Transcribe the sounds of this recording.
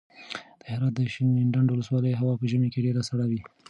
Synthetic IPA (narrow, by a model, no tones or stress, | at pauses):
d̪̥əhɪɾɑt̪̚d̪əʃinɪɳɖanɖwʊləswɑləjɦawɑpəʒəmekeɖeɾasaɽawi